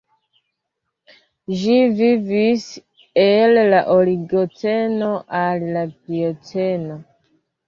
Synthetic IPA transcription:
ʒivivis | ellaʔoliɡot͡se̞no̞ʔallapiot͡seno̞

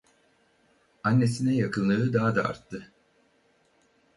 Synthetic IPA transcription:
anːe̞sinɛjakʰɯnlˠɯɯd̪aɦd̪aa̰ɾt̪ʰːɯ

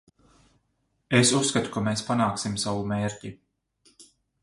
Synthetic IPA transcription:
esusːkat̪u̥kameːspanaːksimsawumeːɾcʲi

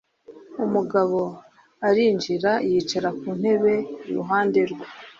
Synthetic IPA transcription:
umuɡaβo̞ | aɾiːɲd͡ʒiɾaijit͡ʃaɾakuːn̥he̞βe̞ɾṵɦaːnde̞ɾɡwa

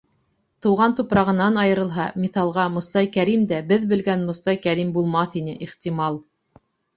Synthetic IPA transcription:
t̪ɤ̆wʁɑnt̪upɾɑʁɤ̆nːɑnɑjɤ̆ɾɤ̆lˠɦɑmiθɑlˠʁɑmŏst̪ɑjkæɾimd̪æbɘðbɘ̆lɡænmŏst̪ɑjkæɾimbulˠmɑθinɘʔiχt̪ʲimɑlˠ

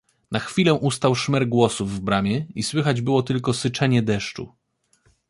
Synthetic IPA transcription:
naxfʲilɛ̃ʔust̪awʂmɛɾɡwɔsuvːbɾamʲjɛiswɘxad͡ʑbɘwɔt̪ɘlkɔsɘt͡ʂɛɲɛd̪ɛʂt͡ʂṵ

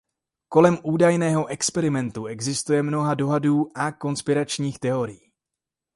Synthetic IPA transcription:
ko̞lɛmʔuːdajnɛːɦo̞ʔɛkspɛɾɪmɛnt̪uɛɡzɪst̪ujɛmno̞ɦado̞ɦaduːʔako̞nspɪɾat͡ʃɲiːxt̪ɛo̞ɾɪjiː

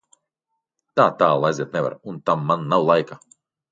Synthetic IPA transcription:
t̪aːt̪aːlˠajzʲiɛt̪nɛva̰ɾunt̪amːanːawlˠajka

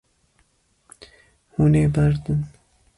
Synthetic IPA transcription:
huneːbæɾd̪ɨn

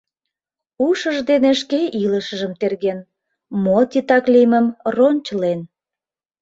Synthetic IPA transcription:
uʃəʒd̪eneʃkeʔiləʃəʒəmt̪erɣen | mot̪it̪ɑkliməmronʲt͡ɕlen

